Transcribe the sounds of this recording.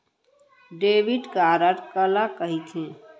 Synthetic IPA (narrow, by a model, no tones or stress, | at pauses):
ɖeːʋiɖkaːɾəɾkəlakəɦit̪ʰẽ